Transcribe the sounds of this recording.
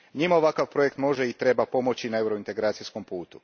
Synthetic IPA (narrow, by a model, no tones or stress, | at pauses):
ɲimaoʋakaʋpɾo̞je̞kt̪mo̞ʒeit̪ɾe̞bapo̞mo̞t͡ɕinae̞wɾoint̪e̞ɡɾaːt̪sisko̞mpuːt̪u̥